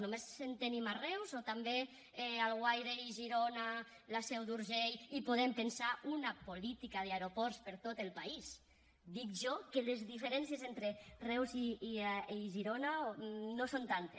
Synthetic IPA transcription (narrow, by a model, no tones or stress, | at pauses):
nomesent̪enimarɛwzot̪ambe | ɛalɣwajɾeiʒiɾona | lasɛwd̪uɾʒejipoðempensaunapolit̪ikað̞eaeɾopɔɾspeɾt̪ot̪elpais | d̪ik̚ʒɔkelezðifeɾɛnsjezent̪ɾerɛwziːʒiɾonanosont̪ant̪e